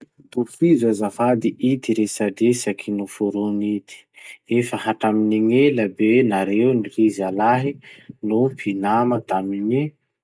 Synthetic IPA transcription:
ufizazafad̪iʔid̪iɾesaɖ͡ʐesakʰinufuɾunid̪̥i̥efəhaʈ͡ʂaminiŋeləbenaɾewniɾizalaɦinupʰinamət̪amini

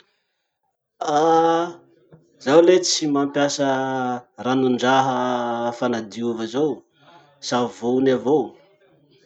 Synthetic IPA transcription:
a | z̥awlet͡simampjasə | ranuɳɖ͡ʐaɦəfanad̪iuvəzow | savonavow

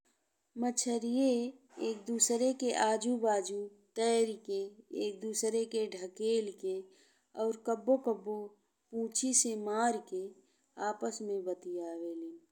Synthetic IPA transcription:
mət͡ʃʰəɾije | eːk̚d̪uːsɾekeʔaːd͡ʒubaːd͡ʒut̪ɛːɾkeeːk̚d̪uːsɾekeɖʱəkeːlke | ɔːɾkəbːokəbːo | pũːt͡ʃʰisemaːɾke | aːpəsmẽbət̪iaːʋeːleː

